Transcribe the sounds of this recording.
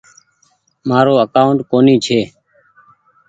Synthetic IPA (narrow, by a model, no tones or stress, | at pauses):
maːɾoːəkaːʊɳʈ̚koːniːt͡ʃʰeː